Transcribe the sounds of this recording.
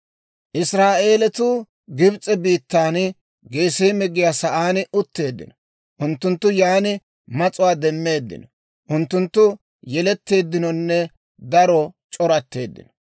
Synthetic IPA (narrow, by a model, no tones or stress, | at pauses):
ʔɪsɾaːʔeːlɛt̪uː | ɡɪbt͡sʼːɛbiːt̪ːaːn | ɡe̞ːseːmɪɡɪjasɐʔaːnʔʊt̪ːe̞ːd̪ːɪ̰nɔ̥ | ʔʊnt̪ːʊnt̪ːʊjaːnɪ | mɐt͡sʼʊwaːd̪ɛmːe̞ːd̪ːɪ̰nɔ | ʔʊnt̪ːʊnt̪ːʊ | jɛlɛt̪ːe̞ːd̪ːɪnɔnːɛ | d̪ɐɾɔt͡ʃʼɔɾɐt̪ːe̞̰ːd̪ːɪ̰nɔ̥